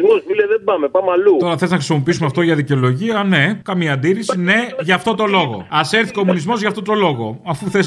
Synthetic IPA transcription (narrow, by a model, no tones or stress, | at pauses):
mozmileðebɐmepɐmɐlut̪o̞ɾɐθe̞leznɐxɾisimo̞p̬iisumeɐft̪o̞ʝɐðice̞o̞lo̞ʝiɐne̞kɐmiɐːnd̪iɾisine̞ʝɐːft̪o̞t̪o̞lo̞ɣo̞̰ɐseɾθi̥comunizmo̞zʝɐft̪o̞t̪o̞lo̞ɣo̞̰ɐfuθez